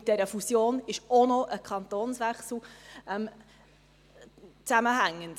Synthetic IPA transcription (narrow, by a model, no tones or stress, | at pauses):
t̚d̥ɛɾəfusjoːnɪʃonɔʔəkʰɑnt̪oːnsʋɛχsl̩ɛm | t͡sæməɦæŋːənd̥